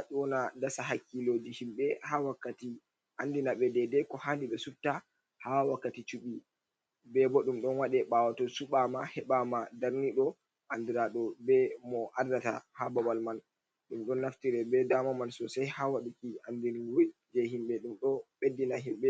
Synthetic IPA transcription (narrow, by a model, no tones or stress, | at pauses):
aɗiwɔnadasaɦakːilod͡ʒihimɓɛhawakːati | ʔandinaɓɛdɛdɛkɔhandiɓɛsuftːa | hawakːatit͡ʃuɓi | bɛbɔɗumɗɔnwaɗɛɓawatɔsuɓamahɛɓamadaɾniɗɔ | ʔandiɾaɗɔbɛmɔʔaɾdata̰hababalman | ɗumɗɔnːaftiɾɛbɛdamɔmansɔsajhawaɗukiandiniwujd͡ʒɛɦimɓɛɗumɗɔɓedːinaɦimɓɛ